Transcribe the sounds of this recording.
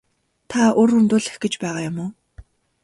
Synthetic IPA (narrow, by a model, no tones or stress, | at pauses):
t̪ʰaorxunt̪ʊːɮĕxɡĕt͡ɕpæːʁaːjʊmʊː